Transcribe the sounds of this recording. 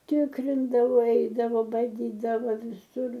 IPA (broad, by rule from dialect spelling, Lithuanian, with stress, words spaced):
ˈtʲɪkrʲɪndɐʋoː ˈɛɪdɐʋoː bɐˈdʲiːdɐʋoː ʋʲɪˈsʊr